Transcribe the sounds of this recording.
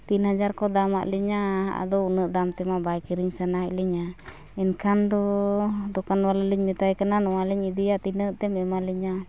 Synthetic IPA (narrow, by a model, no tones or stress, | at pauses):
t̪inhad͡ʒaɾkɔd̪ama̰ʔlɛɲaa̰d̪ɔunəʔd̪amt̪ɛmabajkiɾiɲsənac̚liɲa | ɛnkʰand̪ɔd̪ɔkanwalələɲmɛt̪ajkananɔwalɛɲid̪ijat̪inəʔt̪ɛmɛmaliɲa